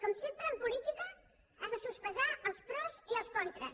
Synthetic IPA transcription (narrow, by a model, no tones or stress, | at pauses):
kɔmsempɾəːmpulit̪ikə | azðəsuspəʒaʔəlˠspɾɔziəlˠskɔnt̪ɾə